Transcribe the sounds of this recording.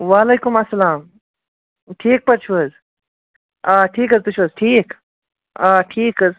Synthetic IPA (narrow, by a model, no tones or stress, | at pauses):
ʋaːleːkumɐsːɐlaːm | ʈʰiːk̚pɐɾt͡ʃʰuʋɐz | aʈʰiːkɐzt̪ut͡ʃʰʋɐzʈʰiːk | aʈʰiːkɐz